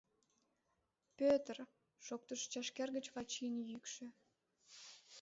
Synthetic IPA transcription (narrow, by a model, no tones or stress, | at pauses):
pʲøt̪ər | ʃok̚t̪əʃt͡ɕɑʃkerɣət͡ɕβɑt͡ɕinjykʃø̆